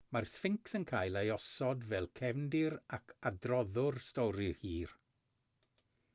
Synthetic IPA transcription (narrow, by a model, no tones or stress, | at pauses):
marsfɪŋksənkʰaːjlˠejɔsɔdvɛlˠkʰɛvndɪɾakʰadrɔðʊrstɔɾɪhiːr